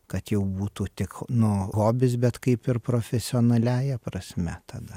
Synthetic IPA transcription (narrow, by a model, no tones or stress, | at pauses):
kɐt̪jɛʊbuːt̪uːt̪ʲɪknʊɣoːbʲɪsbʲɛt̪kɐɪpɪrpɾoːfʲɛsʲɪoːnɐlʲæːjɛpɾɐsʲmʲɛt̪ɐd̪ɐ